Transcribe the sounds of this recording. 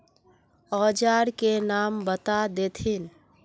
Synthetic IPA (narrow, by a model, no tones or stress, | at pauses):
ɔːd͡ʒaɾkenaːmbət̪ad̪eːt̪ʰin